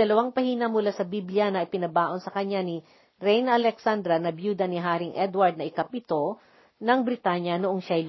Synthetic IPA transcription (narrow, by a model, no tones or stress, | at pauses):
ɐlɐwaŋpɐhiːnɐmʊlasɐbibljɐnɐɪpɪnɐbaːʔo̞nsɐkɐɲːanɪ | ɾɛjnʔɐlɛksand̪ɾɐnɐbjuːd̪ɐnɪɦaːɾɪŋʔɛd̪wɐɹd̪̚ɐʔɪkap̚ɪt̪o̞ | nɐŋbɾɪt̪aɲjɐnʊʔoŋʃajl